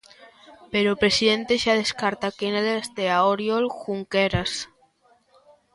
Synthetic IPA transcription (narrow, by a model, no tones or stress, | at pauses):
peɾopɾesiðent̪eʃað̞eskaɾt̪akenelest̪eaoɾjolxuŋkeɾas